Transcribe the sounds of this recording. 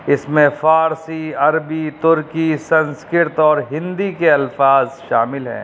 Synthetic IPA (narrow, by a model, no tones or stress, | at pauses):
ɪsmẽfaːɾsiɐɾbit̪ʊɾkisɐ̃nskɪɾt̪ɔːɾɦɪ̃nd̪ikeɐlfaːzʃaːmɪlɦɛ̰̃ː